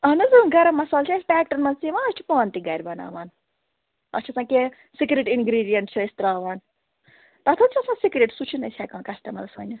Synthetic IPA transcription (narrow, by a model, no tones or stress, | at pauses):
ɐnɐzɨnɡɐɾɐmɐsaːlt͡ʃʰɐspʲɛːk̚ʈɐɾmɐnzt͡siʋãːɐst͡ʃʰi̥paːnt̪iɡɐɾʲbɐna̰ːʋaːn | ɐ̰t͡ʃʰisãːke | sikɾeʈinɡɾiːɖijɐnʈ̚t͡ʃʰiist̪ɾaːʋaːn | t̪ɐt̪ʰɐt͡ʃʰɐsãːsikɾeʈsut͡ʃʰinɐsʰʲɛːkãːnkɐsʈɐmɐlɐsɐ̰ːnʲɐ